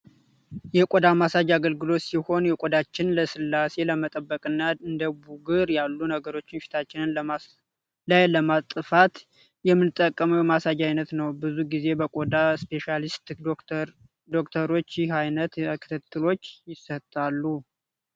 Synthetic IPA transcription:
jɛkʼod̪amasad͡ʒaɡəlɡɨlo̞t̪siho̞njɛkʷʼod̪at͡ʃːɪnləsɨlːase̞ləmət̪ʼəbːəkʼɨnːaɨnd̪əbuɡɨɾjalːunəɡəɾo̞t͡ʃːɪnʃi̥t̪ʰat͡ʃːɪnɨn | lajləmat̪ʼɨfat̪ | jɛmːɨnɨt̪ʼːəkʼːəməjmasad͡ʒajnət̪nəwbɨzuɡize̞bəkʼod̪aspʰe̞ʃalist̪ | d̪o̞kt̪ʰəɾo̞t͡ʃːjɪɦajnət̪kʰɨ̥t̪ʰɨt̪ʰʼːɨlo̞t͡ʃːjɪsət̪ʼːalːu

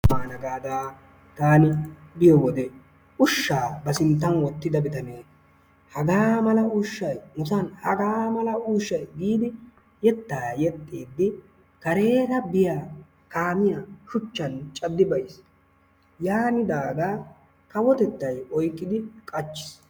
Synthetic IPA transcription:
aːnɐɡaːd̪aː | t̪aːnɪbɪjɔwɔd̪ɛ | ʔʊʃːaːbɐsɪnt̪ːɐnwɔt̪ːɪd̪ɐbɪt̪ɐneː | hɐɡaːmɐlɐʊʃːɐjmʊsɐnhɐɡaːmɐlɐuːʃːɐjɡiːd̪ɪ | jɛt̪ːaːjɛt̪ʼːiːd̪ːɪ | kɐɾe̞ːt̪ɐbɪjaː | kaːmɪjaːʃʊt͡ʃːɐnt͡ʃʼɐd̪ːɪbɐjs | jaːnɪd̪aːɡ̪aː | kɐwɔt̪ɛt̪ːɐjɔjkʼːɪd̪ɪkʼɐt͡ʃːɪ̥s

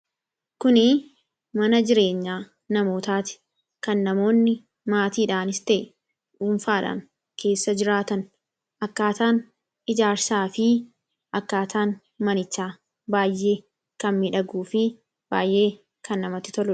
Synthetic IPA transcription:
kʊnɪ | mɐnɐd͡ʒɪɾe̞ːɲːaː | nɐmo̞ːt̪aːt̪ɪ̥ | kɐnːɐmo̞ːnːɪ | maːt̪iːᶑaːnɪst̪ɛʔ | ʔuːnfaːᶑa̰ːŋ | kʰe̞ːsːɐd͡ʒɪɾaːt̪ɐn | ʔɐkːaːt̪aːn | ɪd͡ʒaːɾsaːfɪ | ʔɐkːaːt̪ʰaːn | mɐnɪt͡ʃːaː | baːjʔːe̞ː | kɐnmɪᶑɐɡuːfɪ | b̥aːjʔːe̞ː | kʰɐnːɐmɐt̪ːɪ̥t̪ɔlʊ

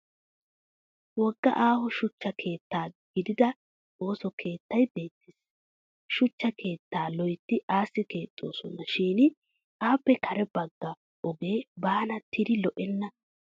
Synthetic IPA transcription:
wɔɡːɐ̰ʔaːhɔʃʊt͡ʃːɐkʰe̞ːt̪ːaːɡ̥ɪd̪ɪd̪ɐ | o̞ːsɔkʰe̞ːt̪ːɐjbe̞ːt̪ːɪs | ʃʊt͡ʃːɐkʰe̞ːt̪ːaːlɔjt̪ːɪʔaːsːɪke̞ːt̪ʼːo̞̰ːsɔnːɐʃiːnɪ | ʔaːpːɛkʰɐɾɛbɐɡːɐ | ʔɔɡe̞ːbaːnɐt̪ʰːɪd̪ɪlɔʔɛnːɐ

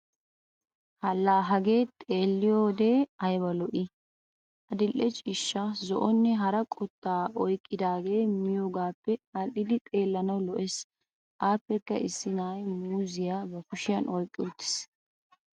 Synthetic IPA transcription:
hɐlːaːɦɐɡe̞ːt̪ʼe̞ːlːɪjoːd̪e̞ːɐjbɐlɔʔɪ | ʔɐd̪ɪlːɛt͡ʃʼɪʃːɐzɔ̰ʔɔnːɛɦɐɾɐkʼɔt̪ːaːʔɔjkʼːɪd̪aːɡe̞ːmɪjoːɡaːpːɛɐʔɪd̪ɪt̪ʼe̞ːlːɐnɐwlɔʔes | ʔaːpːɛkːɐʔɪsːɪnaːjmuːzɪjaːbɐkʊʃɪjɐnʔɔjkʼːɪʊt̪ːɪ̥s

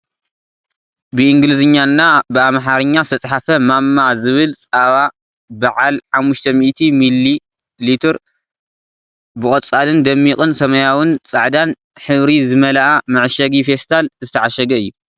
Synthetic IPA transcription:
bɨʔiŋɡlɨzɨɲːanːabɨamħaɾɨɲːasɨt̪ʰɐt͡sʼħafɐmamːazɨβɨlt͡sʼaβa | bɐʕalħamːuʃt̪ʰɐmiʔt̪ʰimilːi | lit̪ʰɨɾ | bɨkʼɐt͡sʼːalɨnd̪ɐmːiqʼɨnsɐmɐjawɨnt͡sʼaʕd̪an | ħɨβɾizɨmɐlaʔamɨʕʃɐɡifest̪ʰalzɨt̪ʰɐʕaʃɐɡɐɨjːu

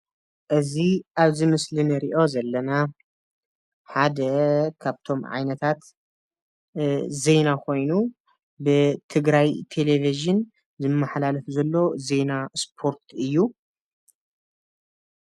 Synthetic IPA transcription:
ʔɨziʔaβzɨmɨslɨnɨɾiʔo̞zɐlːɐna | ħad̪ɐkʰaβt̪ʰo̞mʕa̰jnɐt̪ʰat̪ | ze̞nakʰo̞jnu | bɨt̪ʰɨɡɾajt̪ʰe̞leviʒɨn | zɨmːaħlalɨfzɐlːo̞ze̞naspʰo̞ɾt̪ʰɨjːu

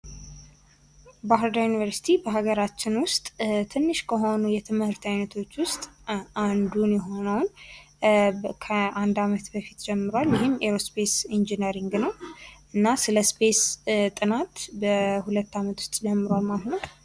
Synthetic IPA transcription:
baɦɨɾd̪ajunivəɾsi̥t̪ʰibəɦaɡəɾat͡ʃːɪnwʊst̪ʼt̪ʰɨnːɨʃkʰəɦo̞nujɛt̪ʰɨmhɨɾt̪ʰajnət̪ʰo̞t͡ʃːwʊst̪ʼand̪unjɛɦo̞nəwn | kʰəʔand̪amət̪bəfi̥t̪d͡ʒɛmːɨɾwaljɪɦɪmːeɾospe̞sind͡ʒinəɾiŋɡnəwʔɨnːasɨləspʰe̞st̪ʼɨnat̪bəhulət̪ːamət̪wʊ̥st̪ʼd͡ʒɛmːɨɾwalmahnəw

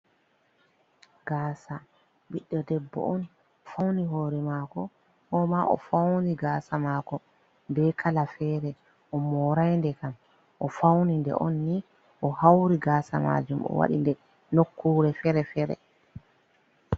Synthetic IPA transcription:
ɡaːsa | ɓiɗːɔdɛbːɔ̰ʔɔn | fawniɦoːɾɛmakɔ | hɔmaʔɔ̰fawniɡaːsamakɔ | bɛkʰalafɛːɾɛ | ʔɔmɔɾajndɛkam | ʔɔfawnindɛ̰ʔɔnːi | ʔɔhawɾiɡaːsama̰d͡ʒumɔ̰wa̰ɗḭndɛ | nokːuːɾɛfɛɾɛfɛɾɛ̰

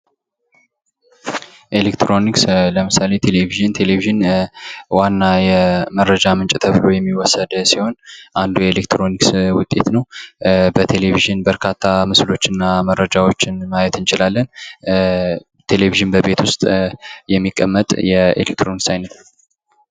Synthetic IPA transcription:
ʔe̞lekt̪ɾo̞niksləmɨsale̞t̪ʰe̞le̞viʒɨnt̪ʰe̞leviʒɨn | wanːajɛməɾːəd͡ʒamɨnt͡ʃʼt̪ʰəβɨlo̞jɛmːiwɔsːəd̪siho̞nʔand̪ujɛelek̚t̪ɾo̞nikswʊt̪ʼːe̞̰t̪nəwbət̪ʰe̞le̞βiʒɨnbəɾkʰat̪ʰːamɨslo̞t͡ʃːɨnːaməɾːəd͡ʒawo̞t͡ʃːɪnmajɛt̪ɨnt͡ʃɪlalːən | t̪ʰe̞le̞viʒɨnbəbe̞t̪ʰwʊst̪ʼjɛmːikʼːə̰mːət̪ʼjɛḛlek̚t̪ɾo̞niksajnət̪

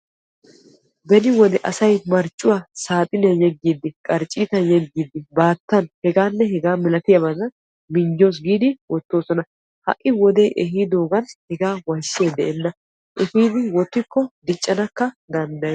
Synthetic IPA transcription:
bɛnɪwɔd̪ɛʔɐsɐjmɐɾt͡ʃʼːʊwaːsaːt̪ʼɪnɐjɛɡːiːd̪ːɪkʼɐɾt͡ʃʼːiːt̪ɐnjɛɡːiːd̪ɪbaːt̪ːɐnhɛɡaːnːɛɦɛɡaːmɪlɐt̪ɪjɐbɐzɐ | mɪnd͡ʒo̞ːs̬ɡiːd̪ɪwɔt̪ːo̞ːsɔnɐ | hɐ̰ʔːɪwɔd̪ejʔɛhiːd̪o̞ːɡɐnhɛɡaːwɐjʃːeːd̪ɛʔɛnːɐ | ʔɛfiːd̪ɪwɔt̪ːɪkːɔd̪ɪt͡ʃʼːɐnɐkːɐ | d̪ɐnd̪ɐj

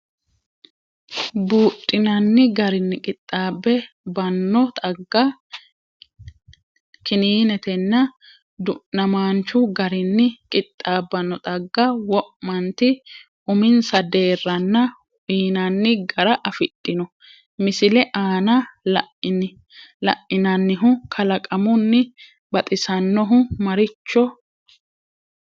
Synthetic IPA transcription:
buːtʼːɪnɐnːɪɡɐɾɪnːɪkʼɪt̪ʼːaːbːɛ | bɐnːɔt̪ʼɐɡːɐ | kɪniːnɛt̪ɛnːɐ | d̪ʊnɐmaːnt͡ʃːʊɡɐɾɪnːɪkʼɪt̪ʼːaːbːɐnːɔt̪ʼɐɡːɐwɔʔmɐnt̪ɪ | ʊmɪnsɐd̪e̞ːrːɐnːɐ | iːnɐnːɪɡɐɾɐʔɐfɪtʼːɪnɔ | mɪsɪlɛʔaːnɐlʔn | lɐ̰ʔɪnɐnːɪɦʊkʰɐlɐkʼɐmʊnːɪ | bɐt̪ʼɪsɐnːɔɦʊmɐɾɪt͡ʃːɔ

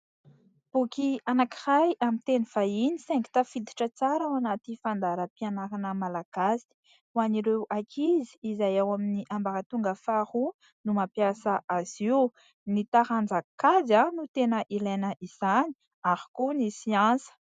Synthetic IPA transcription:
b̥ukianaki̥rajamit̪enifainisɛŋki̥t̪afid̪i̥ʈ͡ʂət͡saɾawanat̪ifand̪aɾəpianaɾanəmalaɡ̥asi̥i̥ | uaniɾewʔakʰizi̥ːzajawaminiʔambaɾat̪uŋɡəfahu | numapjasəʔaz̥iw | nit̪aɾand͡zakadanut̪enəʔilajnəʔiz̥ani̥ | aɾi̥kunisiãnsə̥

